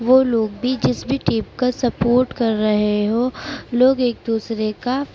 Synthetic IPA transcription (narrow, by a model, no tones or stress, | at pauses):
ʋoːloːɡ̚bʱid͡ʒɪsbʱiʈiːp̚kasɐpoːɾʈkɐɾːɐɦeɦõːloːɡeːk̚d̪uːsɾeka